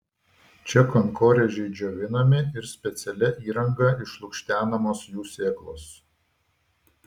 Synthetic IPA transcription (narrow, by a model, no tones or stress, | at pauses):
t͡ʃʲɛkɔŋkoːɾʲɛʒʲɛɪd͡ʒʲoːʋʲɪnɐmʲɪɪɾsʲpʲɛt̪sʲɛlʲɛʔiːɾɐŋɡɐɪʃlˠʊkʃʲt̪ʲæːnɐmoːsjuːsʲeːklˠo̰ːs